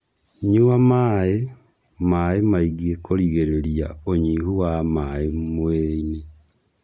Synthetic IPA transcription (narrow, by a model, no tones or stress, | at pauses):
ɲuwamae | maemaiɡiekoɾiɣeɾeɾja̰oɲiɦuwamaemweine